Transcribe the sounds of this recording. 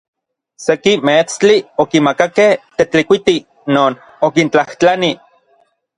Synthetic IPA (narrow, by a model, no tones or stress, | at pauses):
sekimet͡st͡ɬiokimakakeht̪et͡ɬikʷit̪i | noːn | okint͡ɬaht͡ɬani